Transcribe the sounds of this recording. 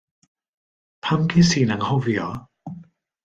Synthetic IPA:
pʰamkʰisiːnaŋhɔviɔ

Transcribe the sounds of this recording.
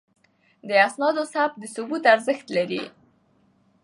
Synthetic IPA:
d̪əasnɑd̪osab̚d̪əsʊbut̪aɾzəxt̪laɾḭ

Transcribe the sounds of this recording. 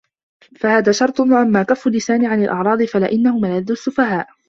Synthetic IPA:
fahaːðaːʃɑɾˤt̪ˤʊwaʔamːaːkafːʊlːɪsaːnɪʕanalʔɑʕɾˤɑːd̪ˤɨfalɪʔɪnːahʊmalad̪ːʊsːʊfahaːʔ

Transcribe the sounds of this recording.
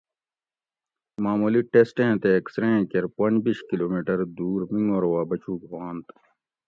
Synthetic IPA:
maːmuːliʈesʈẽːt̪eːɐksɾẽːkeɾpɐ̃nd͡ʑbiːʃkiloːmiːʈɐɾd̪uːɾmiŋoːɾwaːbɐt͡ɕuːkwãːnt̪

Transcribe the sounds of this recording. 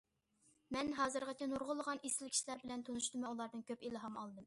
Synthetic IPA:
mɛnɦɑːzɨɾʁɑt͡ʃ̪ʲɛnuɾʁʊlˠəʁɑnʔesɪlkʲʰi̥ʃlæɾbɪlɛnt̪ʰonuʃd̪ɨmɑulˠɑɾd̪ɨnkʲʰøpilɦɑmɑlˠɨd̪ɨm

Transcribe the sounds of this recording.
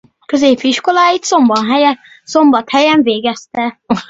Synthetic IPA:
kø̞zeːpiʃko̞laːjit̪so̞mbɒnɦɛjɛ | so̞mbɒt̪hɛjɛɱveːɡɛst̪ɛ

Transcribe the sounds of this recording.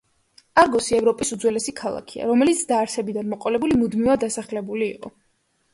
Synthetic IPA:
aɾɡɔsiɛvɾɔpʼisud̪zwɛlɛsikʰalˠa̰kʰia̰ɾɔmɛlit̪sʰd̪aːɾsʰɛbid̪anmɔqʼɔlɛbulimud̪mivad̪ːasaχlɛbuliːqʼɔ̰

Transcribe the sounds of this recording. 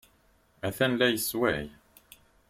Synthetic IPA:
æθænlæjəswæ̰j

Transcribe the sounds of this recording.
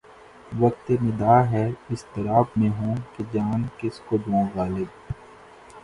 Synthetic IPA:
ʋɐk̚t̪emɪd̪aːɦɛɪst̪ɐɾaːbmẽɦõːked͡ʒaːnkɪskod͡ʒãːʋaːlɪb̚

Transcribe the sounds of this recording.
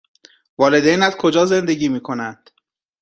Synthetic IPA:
vɒːle̞d̪ejnæzkʰo̞d͡ʒɒːze̞nd̪eɟiːmiːkʰo̞nænd̪̥

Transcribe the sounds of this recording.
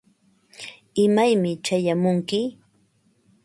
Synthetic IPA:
ɪmajmɪt͡ʃajamʊŋkɪ

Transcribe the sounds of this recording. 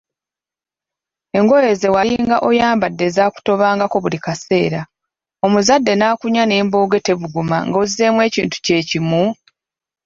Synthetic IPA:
e̞ŋɡoje̞ze̞waɾiŋɡaʔo̞jaːmbadːe̞zaːku̥to̞βaːŋɡako̞βulikase̞ːɾa | o̞muzadːe̞naːkuɲane̞ːmboːɡe̞te̞βuɡuma̰ŋɡozie̞ːmwe̞ːcḭːntu̥ce̞ːcimu

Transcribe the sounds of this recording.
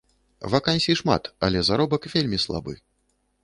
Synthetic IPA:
vakanʲsʲiʂma̰t̪ɐ̰lʲɛzaɾɔbɐkvʲelʲmʲislˠa̰bɨ̰

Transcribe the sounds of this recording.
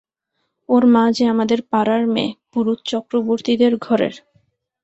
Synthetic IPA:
oɾmãd͡ʑʱeamad̪eɾpaɾaɾmḛ̃puɾut̪̚t͡ɕɔkɾoboɾt̪id̪eɾɡʱɔɾḛɾ

